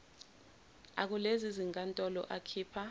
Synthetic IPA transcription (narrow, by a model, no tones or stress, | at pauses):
ak̬uleziziŋkʼantʼɔlɔ̰ʔakʰiːpʰa